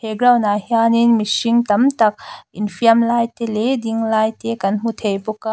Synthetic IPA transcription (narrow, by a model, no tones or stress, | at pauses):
heɡɾawnahianinmisiŋtɐmtɐk̚inpʰiɐmlajtelediŋlajtekɐnɦut̪ʰejpoka